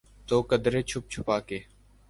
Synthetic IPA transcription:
t̪oːkəd̪ɾeːt͡ʃʰʊp̚t͡ʃʰʊpaːkeː

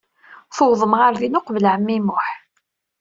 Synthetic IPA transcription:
θowðˤəmʁaɾðinʊqvəlʕəmːimʊħ

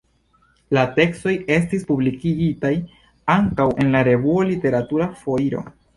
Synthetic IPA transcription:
late̞ksto̞je̞stispublikiɡitaj | aŋkawʔe̞nlaɾe̞vuolite̞ɾatuɾafo̞iɾo̞̰

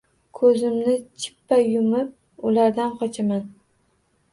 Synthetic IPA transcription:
kʰɵzɪmnɪt͡ʃʰɪ̥pːajʊmɪp̚ | ʊlaɾd̪anqʰɒt͡ʃʰaman

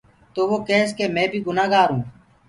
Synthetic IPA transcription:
t̪oːʋoːkeːskeːmẽːbʱiːɡʊnaːɡaːɾɦũː

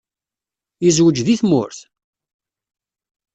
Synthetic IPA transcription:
jəzwəd͡ʒðiθmʊ̰ɾθ

